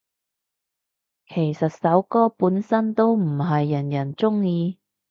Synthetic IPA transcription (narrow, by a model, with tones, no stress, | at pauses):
kʰe˨˩jsɐ˨t̚sɐ˨˥wkɔː˥puː˨˥nsɐ˥nt̪o˥wm̩˨˩ɦɐ˨jːɐ˨˩njɐ˨˩nt͡sʊ˥ŋjiː˧